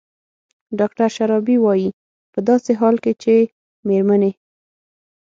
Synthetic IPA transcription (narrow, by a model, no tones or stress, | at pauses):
ɖɑkʈaɾʃaɾɑbiwɑji | pəd̪ɑseɦɑlket͡ʃe | meɾmane